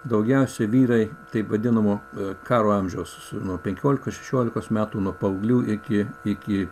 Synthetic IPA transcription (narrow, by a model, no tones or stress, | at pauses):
d̪ɐʊɡʲɛʊsʲɛʋʲiːɾɐɪt̪ɐɪpʋɐd̪ʲɪnɐmoːkɑːɾoːɐmʲʒʲɛʊs | nuɔpʲɛŋʲkʲoːlʲɪkoːʃʲɛ̥ʃʲoːlʲɪkoːsmʲæːt̪uːnuɔpɐʊɡlʲuːʔɪkʲɪɪkʲɪ